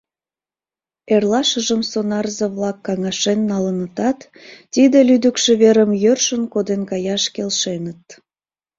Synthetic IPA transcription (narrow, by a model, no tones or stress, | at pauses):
erlɑʃəʒəmsonɑrzəβlɑkːɑŋɑʃenːɑlənət̪ɑt̪ː | id̪elyd̪əkʃĕβeɾəmjørʃənkod̪enkɑjɑʃkelʃenət̪̚